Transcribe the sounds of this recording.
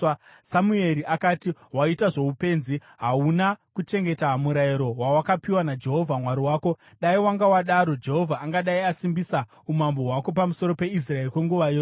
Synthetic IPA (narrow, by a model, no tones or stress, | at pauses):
samue̞ɾiʔakaːtiwaitaʐoupe̞ːnzi | ɦaunakut͡ʃe̞ŋɡe̞taɦmuɾaiɾo̞wawakapiwanad͡ʒe̞ɦo̞vʱamwaɾiwaːko̞ | ɗaiwaŋɡawaɗaɾo̞d͡ʒe̞ɦo̞vʱaːŋɡaɗaiasimbisa | umambo̞ɦwako̞p̬amuso̞ɾo̞pe̞is̬raerikwe̞ŋɡuʋaj